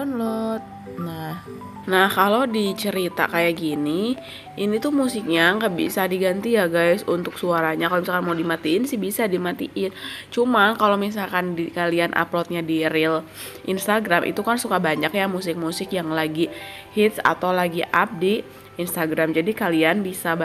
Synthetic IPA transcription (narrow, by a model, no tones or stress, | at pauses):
nlɔt̪̚ | nah | nahkalowdit͡ʃəɾit̪a̰kajaɡini | ʔinit̪umusɪk̚ɲaŋɡabḭsadiɡant̪ijaɡajsunt̪ʊksuaɾaɲakalomisalkanmawdimat̪iɪnsɪhbisadimat̪ḭʔɪnt͡ʃumakalomis̬alkandikalianʔa̰plɔt̪̚ɲadiɾɪl | ʔinst̪aɡɾamʔḭt̪ukansukabaɲakjamusɪk̚musɪkjaŋlaɡi | hɪt̪̚sa̰t̪awlaɡiʔap̚diː | nst̪aɡɾamd͡ʒadikalianbisab